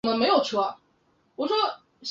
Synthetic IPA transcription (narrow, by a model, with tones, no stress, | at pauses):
ŋd̪ə˧˩me˧˥ɪjo˨˩ʊt͡ɕʰu˧˥˩a˧˩ | wɔ˨˩ʂɔ˥ | ɕ